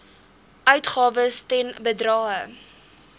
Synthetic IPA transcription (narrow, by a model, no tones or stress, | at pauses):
œɥtχɑːvəstɛnbədrɑːə